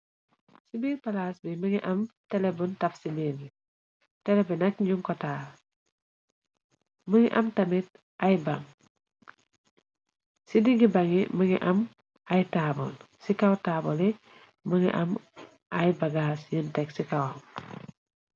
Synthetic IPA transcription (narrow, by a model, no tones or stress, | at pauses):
sibiːlpalasbiməŋiʔɐmtɛlebuntɐfsibil | tɛlɛbinɐk̚ɲuŋkɔtaːl | məŋḭʔɐmtɐmit̚ | ʔajbaŋ | sidiŋɡibaŋiməŋḭʔɐm | ajtaːbɔn | sikawtaːbɔli | məŋḭʔɐm | ʔajbaɡaːsjəntɛksikawam